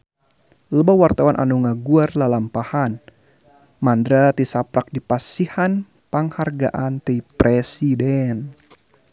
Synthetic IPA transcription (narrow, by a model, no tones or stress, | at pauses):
ləbawart̪awanʔa̰nuŋaɡuarlalampahan | mandɾat̪isapɾak̚dipasihan | paŋharɡaʔant̪ipɾɛsidɛn